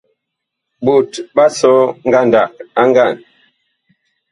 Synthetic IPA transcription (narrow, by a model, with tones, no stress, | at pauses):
bu˨tba˦sɔ˦ŋ̩˦ɡa˦˨nda˨k̚a˦ŋ˦ɡa˦˨n